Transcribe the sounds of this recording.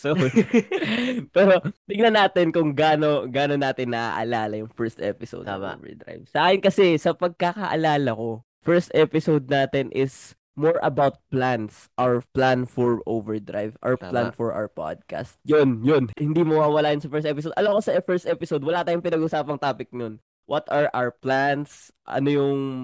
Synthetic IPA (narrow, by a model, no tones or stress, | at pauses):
so | pɛːɾot̪ɪɡnɐnaːt̪ɪnkʊŋɡaːno̞ɡaːnonaːt̪ɪnːɐʔa̰ʔɐ̰laːlɐjʊŋfɛɹst̪ʔɛ̰pɪso̰d̪̰m̰vɛ̰d̪ɾa̰jvsɐʔaːkɪnkɐsɛsɐpɐɡ̚kakɐʔɐ̰laːlɐko̞ | fɛɹst̪ʔɛpɪsowd̪̚naːt̪ɪnʔɪs | moɹʔɐbawt̪̚plans | ʔawplanfɔɹʔovɛɹd̪ɾa̰jvʔa̰ɹplanfɔɹʔa̰wɛpa̰d̪̚ka̰st̪̚jonjonhɪnd̪imɐwaːwɐlaːjʊnsɐfɛɹst̪ɛpɪs̬od̪ʔɐlɐmkosɐʔɛfɛɹst̪ʔɛpɪsowd̪wɐlaːt̪aːjʊŋpɪnɐɡʔʊsaːpɐŋt̪aːpɪk̚non | wʔɐt̪ɐɹʔawɹplans | ʔɐ̰nojʊŋ